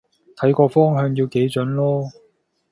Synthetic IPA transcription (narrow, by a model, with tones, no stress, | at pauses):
t̪ʰɐ˨˥jkɔː˧fɔː˥ŋɦœː˧ŋjiː˧wke˨˥jt͡ʃɵ˨˥nlɔː˥